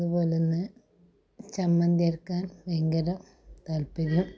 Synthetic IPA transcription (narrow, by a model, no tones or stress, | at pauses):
ɐðubo̞ːlonːɨ | t͡ɕɐmːɐnd̪erkaːnʋeŋɡɐɾɐ | t̪aːlpiðum